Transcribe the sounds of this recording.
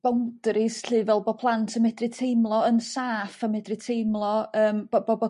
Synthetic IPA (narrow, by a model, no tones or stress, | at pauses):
b̥awnd̥rɪsɬɨːvɛlˠbɔpʰlˠantʰəmɛdrɨtʰejmlˠɔənsaːfamɛdrɨtʰejmlˠɔəːmbɔbɔbɔ